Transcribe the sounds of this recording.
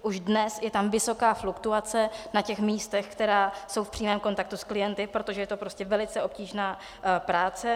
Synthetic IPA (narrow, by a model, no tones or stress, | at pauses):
ʔuʒdnɛsjɛt̪amvɪso̞kaːflukt̪uat͡sɛnacɛxmiːst̪ɛxkt̪ɛɾaːso̞wfpr̥iːmɛːmko̞nt̪ak̚t̪usklɪjɛnt̪ɪpɾo̞t̪o̞ʒɛjɛt̪opɾo̞scɛvɛlɪt͡sɛʔo̞p̚ciːʒnaː | pɾaːt͡sɛ